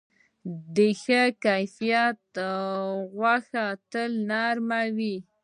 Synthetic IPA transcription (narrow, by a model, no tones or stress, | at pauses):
d̪əxəkajfijat̪ | ɣwaxat̪əlnaɾmawi